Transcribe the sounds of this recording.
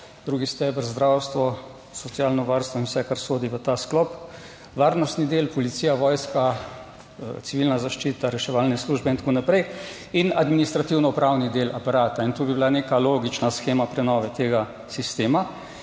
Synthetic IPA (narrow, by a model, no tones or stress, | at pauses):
d̪ɾuːɡist̪ɛbəɾzd̪ɾawst̪ʋɔ | sɔt̪siaːlnɔʋaɾst̪ʋɔinwsɛkaɾsoːd̪iʋət̪asklɔp | ʋaɾnɔst̪nid̪eːlpɔlit̪siːjaʋɔːjska | t̪siʋilnazaʃt͡ʃiːt̪aɾɛʃɛʋalnɛsluːʒbɛint̪ḁkonapɾɛj | inad̪minist̪ɾat̪iwnɔupɾawnid̪eːlʔapaɾaːt̪aint̪obibilanekaloːɡit͡ʃnasxeːmapɾɛnɔːʋɛt̪eːɡa | sist̪eːma